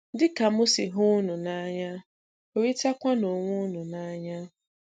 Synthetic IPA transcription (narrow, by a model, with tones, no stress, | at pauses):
dɪ˦ka˨mʊ˦si˨ɦʊ˦nʊ˨na˦ɲa˦ | o˨ɾi˦ta˦kʷa˦no˨ŋʷʊ˦nʊ˨na˦ɲa˦